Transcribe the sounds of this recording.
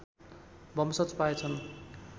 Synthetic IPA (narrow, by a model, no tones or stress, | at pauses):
bʌmsʌt͡spaet͡sʰʌn